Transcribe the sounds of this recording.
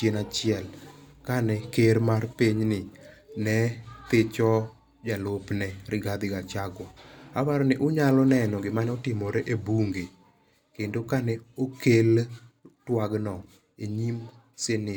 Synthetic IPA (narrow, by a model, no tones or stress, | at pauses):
t͡ʃjenat͡ʃjɪɛlkanɛkeɾmarpiɲnɪ | nɛt̪ɪt͡ʃɔ | d͡ʒalopnɛɾɪɡad̪ɪɡat͡ʃaɡɔabaɾɔnɪʔʊɲalɔnɛnɔɡɪmanɛotɪmoɾɛʔebuŋɡe | kendokanɛokeltwaɡnɔ | eɲim | senɪ